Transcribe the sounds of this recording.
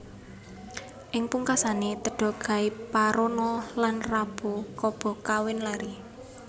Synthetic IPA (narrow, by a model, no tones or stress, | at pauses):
ʔɪŋpuŋkasanet̪əɖ̥ɔ̤ɡ̥a̤ɪpaɾonɔlanrab̥okɔb̥ɔ̤kawɪnlaɾi